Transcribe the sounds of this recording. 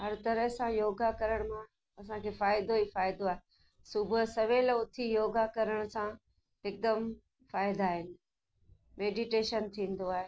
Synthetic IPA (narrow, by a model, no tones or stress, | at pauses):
ɦɐɾt̪ɐɾəɦsãjoːɡakɐɾəɽ̃mã | ɐsãkʰeːfaːɪd̪oɦiːfaːɪd̪oaːɦe | sʊbʱʊsɐʋeːlʊt̪ʰijoːɡakɐɾəɽ̃ʊsã | ɪk̚d̪əm | faːɪd̪aːɦɪnɪ̆ | meːɖiʈeːʃənt̪ʰĩːn̆d̪oaːɦeː